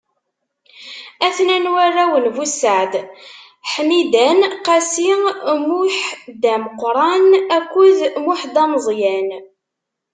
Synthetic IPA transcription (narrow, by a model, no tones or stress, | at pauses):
æθnænwarːæwənvusəʕd̪ | ħmid̪ænqæsimuħd̪æməqɾˤɑnækːuðmuħd̪ɑməzˤjæn